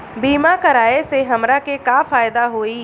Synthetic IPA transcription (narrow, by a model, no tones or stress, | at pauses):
biːmakɐɾaːeseɦɐmɾakekaːfaːjd̪aɦoːiː